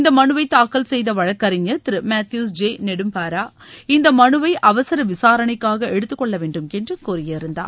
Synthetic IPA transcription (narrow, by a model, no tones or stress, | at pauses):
ɪnd̪ɐmɐɳɯʋɐɪt̪ːaːkːɐlsɛjðɐʋɐɻɐkːɐɾɪɲɐt̪ɪɾɯmaːt̪juːsd͡ʒeːnɛɽɯmpaːɾaː | ɪnd̪ɐmɐɳɯʋɐɪʔɐʋɐsɪɾɐʋɪsaːɾɐɳɐɪkːaːɣɐɛɽɯt̪ːɯkːɔɭːɐʋeːɳɖɯmkɛndrɯkuːɾɪjɐɪɾɯnd̪a̰ːɾ